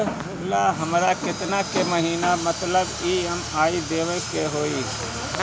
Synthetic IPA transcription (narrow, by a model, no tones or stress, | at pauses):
laɦəmɾakɪt̪nakeməɦiːnamət̪ləbiɦəmaːid̪eːʋəkeɦoːi